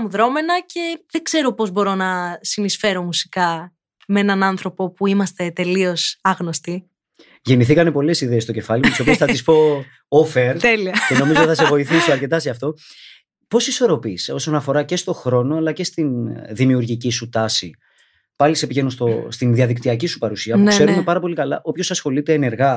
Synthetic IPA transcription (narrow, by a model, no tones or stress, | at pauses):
muðɾo̞me̞nɐcʰe̞ðe̞ɡz̥e̞ɾo̞po̞zbo̞ɾo̞nɐsinisfe̞ɾo̞musi̥kɐ | meenɐnɐnθɾo̞po̞puimɐst̪e̞t̪e̞lio̞sɐɣno̞st̪i | ʝe̞niθikɐne̞po̞le̞siðe̞ːst̪o̞ce̞fɐlimut̪iso̞piosθɐt̪ispo̞ | ofeɾt̪eliɐce̞no̞mizot̪θɐse̞vo̞iθisiɐɾce̞t̪ɐseɐft̪o̞ | po̞siso̞ɾo̞piso̞so̞nɐfo̞ɾɐce̞st̪o̞xɾo̞no̞ɐlɐce̞st̪inðimiuɾʝicisut̪ɐsi | pɐlise̞piʝe̞nust̪o̞st̪inðiɐðik̚t̪iɐcisu̥pɐɾusiɐpnuke̞ume̞pɐɾɐpo̞likɐlɐʔo̞pço̞sɐsxo̞lit̪e̞ːne̞ɾɣɐ